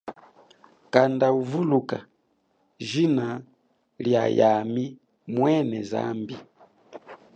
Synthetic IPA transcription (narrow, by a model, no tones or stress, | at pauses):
kandauvuluka | ʒina | ljajami | mwɛnɛza̰mbi